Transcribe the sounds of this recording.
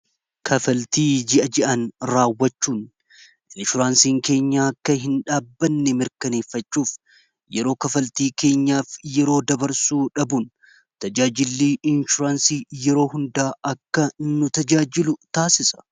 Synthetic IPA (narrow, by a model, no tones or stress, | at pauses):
kʰɐfɐlt̪iːd͡ʒɪʔɐd͡ʒɛʔɐnɾaːwːɐt͡ʃːuːn | ʔɪnʃʊɾaːnsiːŋke̞ːɲːaːɐkːɐɦɪnᶑaːbːɐnːɛmɪɾkɐne̞ːfːɐt͡ʃːuːf | jɛɾo̞ːkɐfɐlt̪iːke̞ːɲːaːfjɛɾo̞ːd̪ɐbɐɾsuːᶑɐbun | t̪ɐd͡ʒaːd͡ʒɪlːiːʔɪnʃʊɾaːnsiːjɛɾo̞ːɦʊnd̪aːʔɐkːɐnʊt̪ɐd͡ʒaːd͡ʒɪlʊt̪aːsɪsɐ̥